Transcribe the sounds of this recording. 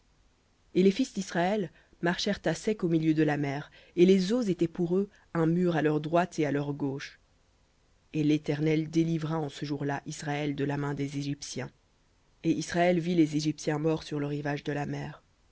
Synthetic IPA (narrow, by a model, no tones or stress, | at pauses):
elefisd̪isχaɛl | maʁʃɛʁt̪asɛkomiljød̪əlamɛʁ | elezozet̪ɛpuʁø | ɛ̃myʁalœʁd̪ʁwat̪ʰealœʁɡoʃ | elet̪ɛʁnɛld̪elivʁaɑ̃səʒuʁlaʔisʁaɛld̪əlamɛ̃d̪ezeʒipsjɛ̃ | eisʁaɛlvilezeʒipsjɛ̃mɔʁsyʁləʁivaʒd̪əlamɛːʁ